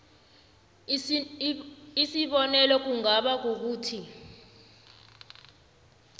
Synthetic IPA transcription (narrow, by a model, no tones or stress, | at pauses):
isiɓɔnɛlɔk̬uŋaɓak̬ok̬uːtʰi